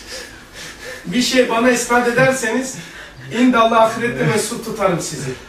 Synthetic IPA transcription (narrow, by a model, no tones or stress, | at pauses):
biʃejbanaispat̪e̞d̪æɾse̞niz̥ | ind̪alːˠaːfɾɛt̪lʲivɛsut̪ʰut̪ʰaɾɯmsizɪ